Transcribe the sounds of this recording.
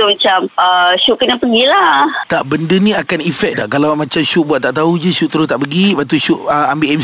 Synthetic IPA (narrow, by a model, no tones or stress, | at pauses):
umat͡ʃaməʃuʔkənapəɡilaht̪aʔbəndənĩakanifɛk̚daʔkalawmãt͡ʃamʃuʔbuat̪̚t̪aʔt̪aud͡ʒəʃuʔt̪əɾʊst̪aʔpəɡipat̪uʃuʔəambiʔɛm